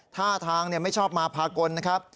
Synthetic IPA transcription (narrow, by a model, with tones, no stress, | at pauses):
t̪ʰaː˥˩t̪ʰaː˧ŋni˥˩ma˥˩jt͡ɕʰɔː˥˩p̚maː˧pʰaː˧ko˧nːa˦˥kʰɾa˦˥p̚